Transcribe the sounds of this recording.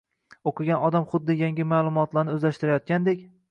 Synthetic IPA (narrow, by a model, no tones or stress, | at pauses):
oqʰɨɡʲanɒd̪amχʊd̪ːɪjaŋɡʲɪmaːlˠʊmɒt̪laɾnɪɵzlaʃt̪ɪɾajɒt̪̚kʲand̪ekʲ